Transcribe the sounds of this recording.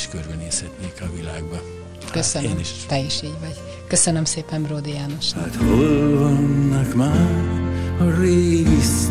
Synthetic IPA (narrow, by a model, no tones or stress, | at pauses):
ʃkørbɛneːshɛt̪neːkɒvilaːɡ̚bɒ | køsøneniʃt̪ɛjɛʃiːɟʋɒɟ | køsønømseːpɛmbroːd̪ijaːnoʃat̪holvonːɒkmaːɾɒɾeːɡis